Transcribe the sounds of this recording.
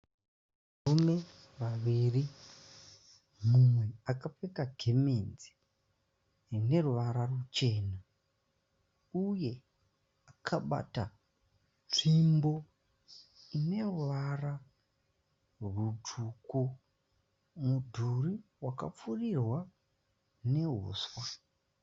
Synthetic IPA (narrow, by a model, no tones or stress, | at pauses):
aume̞ | ʋaʋiri | mumwe̞akap͡fekaɡʱemenzi̥ | rine̞ruʋaɾarut͡ʃe̞ːna | uje̞ | akʰaɓa̰ta | ʐimbo̞ | ine̞ruʋara | rudʰʱuku | mudʱuriwaka̰p͡furirwa | ne̞ɦo̰ːswa